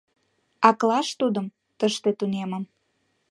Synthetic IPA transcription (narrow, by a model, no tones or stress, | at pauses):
ɑklɑʃt̪ud̪əm | t̪əʃt̪et̪uneməm